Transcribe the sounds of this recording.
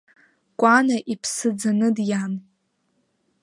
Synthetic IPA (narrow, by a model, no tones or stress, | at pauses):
kʷʼanaʔipʰsɨd͡zanɨdjam